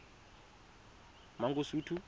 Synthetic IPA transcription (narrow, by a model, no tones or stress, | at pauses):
maŋɡosuːtʰu